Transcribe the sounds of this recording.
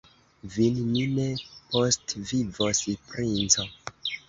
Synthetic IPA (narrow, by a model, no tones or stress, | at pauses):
vinninepostvivosipɾint͡so